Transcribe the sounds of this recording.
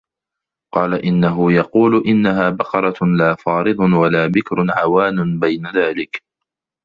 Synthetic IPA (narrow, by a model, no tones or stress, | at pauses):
qɑːlaʔɪnːaɦʊjɑquːlʔɪnːaɦaːbɑqɑɾˤɑlaːfɑːɾɨd̪ˤʊwalaːbɪkɾʊʕawaːnʊbajnaðaːlɪk